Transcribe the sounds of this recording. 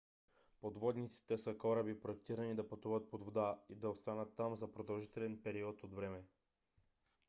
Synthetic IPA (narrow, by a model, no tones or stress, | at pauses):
pod̪vɔd̪nit̪si̥t̪ɛsəkɔɾəbipɾoɛkt̪iɾɐnid̪ɐpɐt̪uvət̪̚pod̪vod̪aid̪ɐost̪anət̪ːamzɐpɾod̪ɐlˠʒit̪ɛlɛnpɛɾiɔt̪od̪vɾɛmɛ